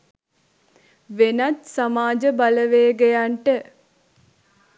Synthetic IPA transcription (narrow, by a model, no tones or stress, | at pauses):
ʋenat̪samaːd͡ʒəbaləʋeːɡejaɳʈə